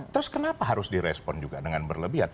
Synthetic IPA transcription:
t̪əɾʊskənapaɦaɾʊsdiɾɛspɔnd͡ʒuɡadəŋanbərləbiɦat̪̚

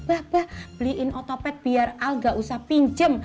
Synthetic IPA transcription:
b̥ahb̥ahb̥əliʔɪnʔɔt̪opɛt̪̚b̥iaralŋɡaʔusahpiɲd͡ʒəm

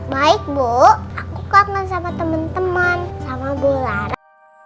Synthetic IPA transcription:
baɪk̚bɔʔakukaŋansamat̪əmənt̪əmənsamaɡolaɾa

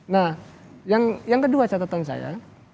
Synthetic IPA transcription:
nahjaŋjaŋkəduat͡ʃat̪at̪ɔnsa̰ja̰

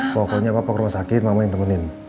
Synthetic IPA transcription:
pɔkɔɲapapɔkɾumasakɪt̪̚mamɔiŋt̪əmənɪn

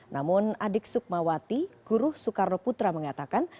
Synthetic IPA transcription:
namʊnadɪk̚sʊk̚mawat̪iɡ̥uɾʊhsukarnoput̪ɾaməŋat̪akan

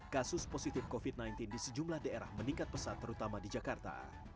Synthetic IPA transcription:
kasʊsposit̪ɪfkofit̪̚najnt̪ɪndisəd͡ʒumlahdaeɾa̰hməniŋkat̪̚pəsat̪ːəɾut̪amadid͡ʒakart̪a̰

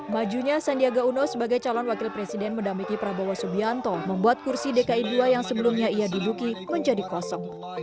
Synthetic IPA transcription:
mad͡ʒuɲasandiaɡaunɔsəbaɡajt͡ʃalɔnwakɪlpɾesidɛnməndamikipɾabawasubiant̪ɔməmbuat̪̚kursidekaiduajaŋsəbəlumɲaijadudukiməɲd͡ʒadikuasɔŋ

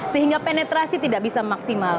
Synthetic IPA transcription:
səɦiŋɡapenɛt̪ɾasit̪idaʔbisamaksimal

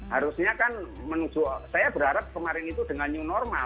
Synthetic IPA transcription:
haɾusɲakanmənud͡ʒ̥uʔsajab̥əɾaɾap̚kəmaɾɪnit̪ud̥əŋaɲunɔrmal

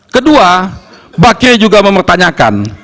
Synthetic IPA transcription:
kədua | baked͡ʒuɡaməmpərt̪aɲaka̰n

